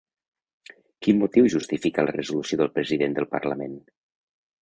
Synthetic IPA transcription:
kinːut̪iwʒust̪ifikələrəzulusioðəlˠpɾəziðend̪əlˠpə̰ɾləmen

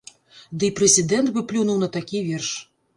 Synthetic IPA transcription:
d̪ɨpɾɛzʲid̪ɛnt̪bɨplʲunuwnɐt̪akʲivʲɛrʂ

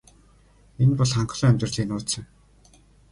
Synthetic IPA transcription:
enpɔɮχaɴχ̆ɮʊːæmʲt̪rə̆ɮiːnʊːt̪sə̆ŋ

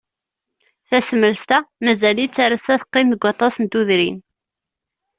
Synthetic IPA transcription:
θæsəməɾst̪æmæzælit͡sːaɾæsæθə̥qːɪmðəɡʷɑt̪ˤɑsənt̪uðɾin

